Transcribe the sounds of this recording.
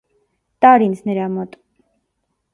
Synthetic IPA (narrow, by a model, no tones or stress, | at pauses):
t̪ʼɑɾinsʰnɛɾamɔt̪ʼ